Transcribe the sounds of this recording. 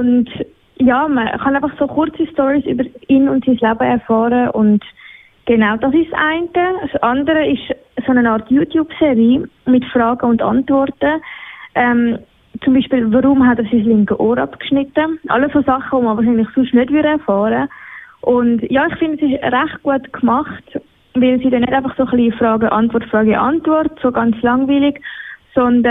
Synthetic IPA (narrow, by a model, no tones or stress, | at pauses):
ʊnd | jaːməχɑnaɪfɑχsoχʊɾt͡sistɔɾisy̰bəɾinʊntsislabəɛɾfɑːɾəʔʊnd | ɡ̥enaʊd̥ɑsɪʃsʔa̰ɪntəsʔɑndəɾəɪʃ | sonənɑːɾtjuːtʰjuːbseɾiː | mɪtfrɑːɡəʊndɑ̰ntvɔɾtəʔɛm | t͡sʊmbiːʃpiːlvəɾʊmɦatɛːɾsislɪŋkəʔoːɾɑpkʃnɪtːəʔɑ̰lːəssoːsɑχəvoməvɑːɾʃinlɪχsʊʃtnœdvʏɾəɛɾfɑːɾəʔʊndjɑːɪχfɪndəsɪʃɾæχt̚ɡ̥uətkʰmɑχt | vɪlsiːdɛnødaɪfɑχsoːχlifrɑːɡəʔɑntvɔɾtfrɑːɡiʔɑntvɔrtsoːɡɑnt͡slɑŋviːlɪɡsɔndə